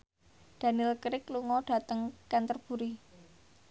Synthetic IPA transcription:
d̪̥a̤nɪlkɾɪkluŋɔɖ̥ä̤t̪əŋkant̪ərb̥ṳɾi

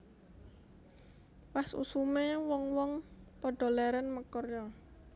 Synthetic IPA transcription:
wasṵsumewɔŋwɔŋpɔɖ̥ɔ̤lɛɾɛnməkɔrjɔ

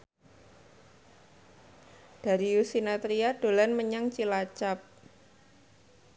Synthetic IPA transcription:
d̥a̤ɾiusinat̪ɾiad̥o̤lanməɲaŋt͡ʃilat͡ʃap̚

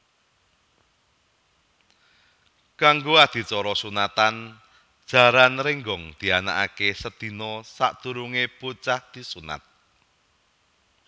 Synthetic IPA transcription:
kaŋɡoad̪̥i̤t͡ʃɔɾɔsunat̪an | d̥ʒ̥a̤ɾanrɪŋɡɔŋd̪̥i̤ana̰ʔa̰kesəd̪̥i̤nɔsa̰ʔd̪̥ṳɾuŋeput͡ʃahd̪̥i̤suna̰t̪̚

